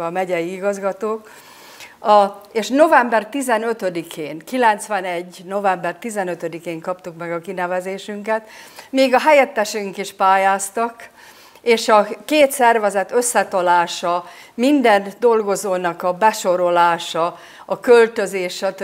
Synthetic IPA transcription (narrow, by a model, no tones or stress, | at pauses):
ɒmɛɟɛjiiɡɒzɡɒt̪oːk | ɒeːʃno̞vɛmbɛrt̪izɛnø̞t̪ød̪ikʰeːŋkilɛnt̪sʋɛnɛɟːno̞vɛmbɛrt̪izɛnøt̪ød̪ikeːŋkɒpt̪ukmɛɡɒkinɛvɛzeːʃyŋkɛt̪miːɡɒɦɛjɛt̪ːɛʃyŋkiʃpaːjaːst̪ɒk | eːʃɒkeːt̪sɛrvɛzɛt̪ø̞sːɛt̪ɒlaːʃɒmind̪ɛnd̪o̞lɡo̞zoːnɒkɒbɛʃo̞ɾo̞laːʃɒ | ɒkølt̪øzeːʃɒt̪